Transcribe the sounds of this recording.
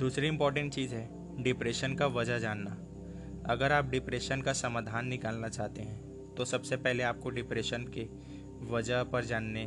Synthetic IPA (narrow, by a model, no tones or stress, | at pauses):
d̪uːsɾiɪ̃mpɔːɾʈə̃ɳʈt͡ʃiːzɦɛ | ɖɪpɾeːʃənkaʋɐd͡ʒəɦd͡ʒaːnːaː | ɐɡəɾaːp̚ɖɪpɾeːʃənkasɐmaːd̪ʱaːnːɪkaːlnat͡ʃaːɦt̪eɦɛ̃ː | t̪osɐbsepɛɦleaːp̚koɖɪpɾeːʃənke | ʋɐd͡ʒəɦpɐɾd͡ʒaːnːe